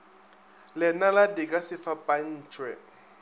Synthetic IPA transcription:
lɪnaladɪkʼasɪfapʼan̩ːt͡ʃʼwɛ

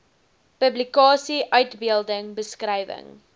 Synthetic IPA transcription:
pəblikɑːsiʔœɥtbiəlˠdəŋbəskrɛjvə̰ŋ

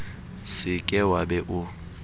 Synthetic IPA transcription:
sɪkʼɛwabɛʔʊ

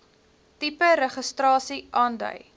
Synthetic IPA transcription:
tipəɾəχəstrɑːsiʔɑːndœ̰ɥ

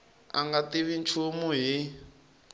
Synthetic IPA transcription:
a̰ŋɡatiβint͡ʃʰumuɦi

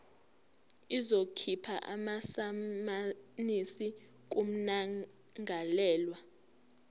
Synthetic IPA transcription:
izokʰipʰa̰ʔamasamanisi | k̬um̩na | ŋʱalɛːlwa

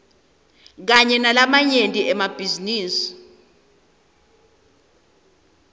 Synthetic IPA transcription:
k̬aɲɛnalamaɲentʼiʔɛmab̥ʱiziniːsi̥

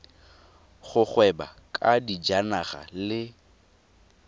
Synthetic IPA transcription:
χʊχwɛba̰kʼadid͡ʒanaχa̰lɪ

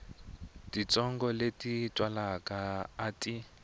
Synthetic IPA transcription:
tit͡sɔŋɡɔletʼitʼwalakʼaːtʼi

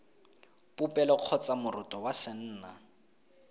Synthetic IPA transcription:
pʼupʼɛlɔq͡χʰɔt͡sʼamʊrʊtʼɔwasɪn̩ːna

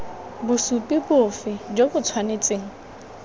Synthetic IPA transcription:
bʊsupʼɪbʊfɪd͡ʒobʊt͡sʰwanet͡sʼɪːŋ̩

